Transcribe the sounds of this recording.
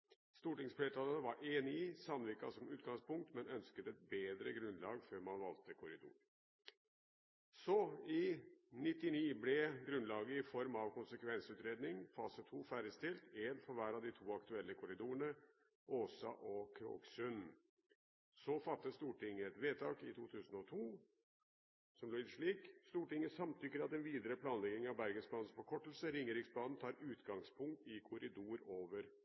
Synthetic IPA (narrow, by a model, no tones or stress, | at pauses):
st̪uːʈɪŋsfleːt̪ʰɑːlənəʋɑɾʔeːnɪɪsɑnʋikɑsɔmʉːt̪̚ɡɑŋspʊŋk̚t̪mɛnœnskət̪ɛt̪̚beːd̪ɾəɡɾʉnlɑ̰ːɡføɾmɑnʋɑlt̪əkʰʊɾɪd̪ṵːɾ | sɔɪnɪt̪ːɪniːblɛɡɾʉnlɑːɡəɪfɔɾmɑʋkʊnsəkʰʋɛnsʉːt̪ɾeːd̪nɪŋfɑːsət̪ʰuːfæːɾəst̪ɪlt̪eːnfɔɾʋæːɾɑd̪ɪt̪ʰuːɑkt̪ʉɛlːəkʰʊɾɪd̪uːəɳə | ʔoːsɑ̰ʔɔkʰɾo̰ːksʉn | sɔfɑt̪ːəst̪uːʈɪŋːəɛt̪ʋeːt̪ʰɑːkɪt̪ʰuːt̪ʰʉːsən̩ɔt̪ʰuː | sɔmloːit̪ʂɭiːkst̪uːʈɪŋːəsɑmt̪ʰʏkːəɾɑt̪ɛnʋiːd̪əɾəpʰlɑːnlɛɡ̪ɪŋɑʋbæɾɡənsplɑːd̪n̩spɔkʰɔʈːəlsəɾɪŋːəɾɪksblɑːd̪n̩t̪ʰɑːɾʉːt̪ɡɑŋspʰʊŋk̚t̪ɪkʰʊɾɪd̪uːɾoːʋəɾ